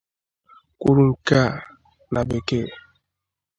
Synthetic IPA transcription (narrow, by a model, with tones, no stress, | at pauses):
kʷu˦ɾu˨ŋ̩˨ka˦˨ | nʔa˨be˨ke˦